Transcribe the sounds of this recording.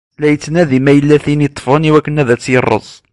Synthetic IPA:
læjət͡sːnæðimæjəlːæθinit̪ˤːfəniwækːənæðæt͡sːjərˤːə̰zˤ

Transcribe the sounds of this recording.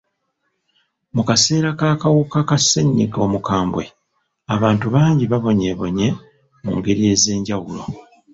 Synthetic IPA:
mukase̞ːɾakaːkawukakasːeɲːḭɡo̞ːmukaːmbwe̞̰ | aβaːntuβaːɲɟiβaβo̞ɲe̞βo̞̰ɲe̞ | mṵŋɡe̞ɾije̞ːze̞ːɲɟawulo̞̰

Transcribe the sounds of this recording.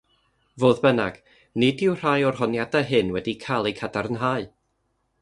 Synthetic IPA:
voːðbənaɡ̥ | nɪdɪwr̥ajɔrhɔnjadaɦɨnwɛdikʰalˠejkʰadaɾənɦaːɨ

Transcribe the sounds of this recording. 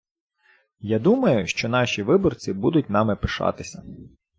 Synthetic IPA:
jad̪umɐjʊʃt͡ʃɔn̪ɑʃʲiʋɪbɔrt͡sʲibud̪ʊtʲnɑmɪpɪʃɑ̰t̪ɪsʲɐ

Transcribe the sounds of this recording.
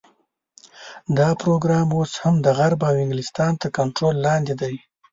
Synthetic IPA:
d̪ɑpɾoɡɾɑmoshamd̪əɣaɾbawɪŋɡlɪst̪ɑnt̪əɾkaɳʈɾolːɑnd̪ed̪aj

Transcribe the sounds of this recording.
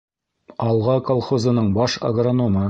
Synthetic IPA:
ɑlˠʁɑkɐlˠχozɤ̆nɤɴbɑʃɐ̰ɡronomɤ

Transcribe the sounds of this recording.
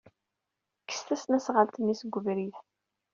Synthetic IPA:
kːə̥st̪æsnæsʁəlt̪ənːisɡʷːəvɾiθ

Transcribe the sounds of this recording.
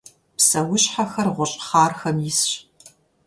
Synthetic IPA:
psɐwʊɕħaxɐrʁʷʊɕʼχɑːrxɐmjɪsɕ

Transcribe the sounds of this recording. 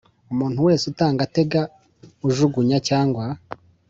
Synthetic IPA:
umuːn̥huwe̞ːsutaːŋɡate̞ɡa | uʒuɡuɲacaːŋɡwa

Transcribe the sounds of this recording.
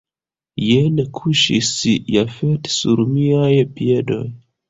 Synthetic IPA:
jenekʰuʃisjafetsuɾmiajpie̞do̞̰j

